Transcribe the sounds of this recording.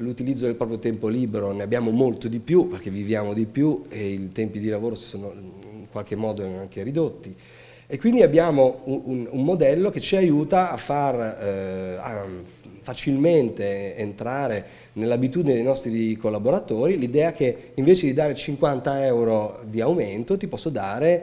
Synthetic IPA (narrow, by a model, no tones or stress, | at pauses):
lut̪ilid̪zːod̪elpɾɔːpɾjot̪ɛmpoliːbeɾoneabjaːmomolt̪od̪ipjuperk̟evivjaːmod̪ipjueilt̪ɛmpid̪ilavoːɾossoːnoiŋkwalk̟emːɔːd̪oaŋkeɾid̪ot̪ːi | ekːwind̪iabːjaːmouunumːod̪ɛlːok̟et͡ʃːiajuːt̪aːfːar | a̰ | fat͡ʃilment̪eːnt̪ɾaːɾe | nelːabit̪uːd̪ined̪ejnɔst̪ɾikolːaboɾat̪oːɾilid̪ɛːak̟eiɱveːt͡ʃed̪id̪aːɾet͡ʃiŋkwant̪aɛwɾod̪iaument̪ot̪ipɔsːod̪aːɾe